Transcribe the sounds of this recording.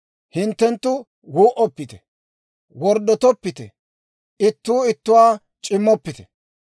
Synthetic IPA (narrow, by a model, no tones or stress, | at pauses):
hɪnt̪ːɛnt̪ːʊ | wuːʔɔpːɪt̪ɛ̰ | wɔɾd̪ɔt̪ɔpːɪt̪ɛ̰ | ɪt̪ːuːɪt̪ːʊwaː | t͡ʃʼɪmːɔpːɪt̪ɛ̥